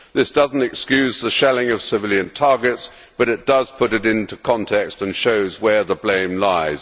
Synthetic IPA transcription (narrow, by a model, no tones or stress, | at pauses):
ðɪsd̥ʌzn̩tɨkskjʉzðəʃɛlˠɪ̃ŋʌv̥sɨvɪlˠjɨ̃ntʰɑɹɡɨts | b̥ʌɾɨt̚d̥ʌz̥pʰʊɾɨɾɪ̃ntʉkʰɑ̃ntʰɛkstɨ̃nʃoʊzwə˞ðəblẽɪ̃mlaɪz̥